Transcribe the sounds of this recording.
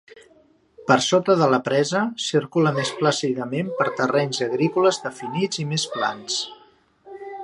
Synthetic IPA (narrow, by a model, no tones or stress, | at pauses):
pəɾsot̪əðələpɾɛzəsiɾkuləmespləsiðəmempəɾt̪ərɛɲzəɣɾikuləzðəfinid͡zimesplans